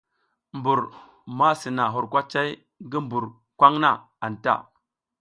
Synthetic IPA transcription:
mbu˨ɾ | ma˦si˨na˨ɦu˨ɾkʷa˦t͡ʃa˦j | ŋɡi˦mbu˨ɾ | kʷa˦ŋna˦ | a˨nta̰˦˨

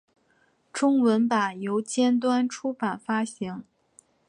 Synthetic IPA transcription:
ʈ͡ʂʊ˥ŋwə˧˥npa˨˩jo˧˥ʊt͡ɕjɛ˥nt̪̬wa˥nʈ͡ʂʰu˥pa˨˩nfa˥ɕi˧˥ŋ

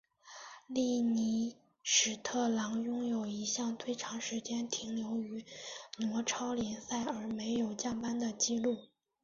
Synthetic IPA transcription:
li˥˩ni˧˥ | ʂɻ̩˨˩t̪ʰɤ˥˩lɑ˧˥ŋjʊ˥ŋjo˨˩ʊi˧˥ɕjɑ˥˧ŋt̪ʰwe˥˩ɪʈ͡ʂʰɑ˧˥ŋʂɻ̩˧˥t͡ɕjɛ˥nt̪ʰi˧˥ŋljo˧˥ʊy˧˥nwɔ˧˥ʈ͡ʂʰɑ˥ʊljɛ˧˥nsa˥˩ɪə˞˧˥me˧˥ɪjo˨˩ʊt͡ɕjɑ˥˩ŋpa˥nd̪ə˨t͡ɕi˥lu˥˩

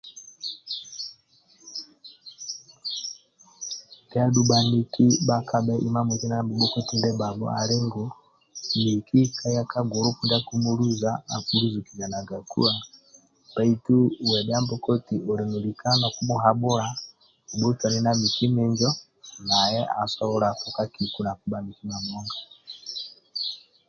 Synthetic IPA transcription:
da˦ɗu˦ɓa˨ni˦ki˦ɓa˦ka˨ɓɛ˦ʔi˨ma˦mu˨ti˦na˦mbu˨˦ɓɔ˦kɔ˦ti˦ndɛ˦ba˨ɓɔ̰˦a̰˨ɾɛ˦ŋɡu˨ | mi˨ki˦kʰa˦ja˦ka˦ɡɔ˨ɾu˦ku˦nda˦ku˦mu˦lu˦za˦a˨ku˨ɾu˦zu˨ki˨ɲa˨na˨ɡa˨kṵ˦a˨ | b̥a˦i˦tu˦˨wɛ˨ba˦mbɔ˦kɔ˦ti˨ʔo˨ɾi˨nu˨li˨ka˦nɔ˨ku˦mu˦ɦa˨ɓɔ˦ɾa˨ | u˨ɓu˦ta˨ni˦na˦mi˨ki˦mɛ˨nd͡ʒɔ˦ | na˨jɛ˦ʔa̰˨sɔ˦ɔ˦ɾa˨ku˨ka˦ki˨ku˨˦na˨ku˨˦ɓa˨ni˨ki˦ma˨mɔ˦ŋɡa˨

